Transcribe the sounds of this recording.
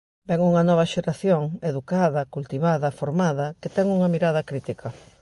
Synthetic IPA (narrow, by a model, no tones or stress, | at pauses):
bɛŋuŋɐnɔβ̞ɐʃeɾaθjoŋeðukaðɐkult̪iβaðɐfoɾmaðɐket̪ɛŋuŋɐmiɾað̞ɐkɾit̪ikʰɐ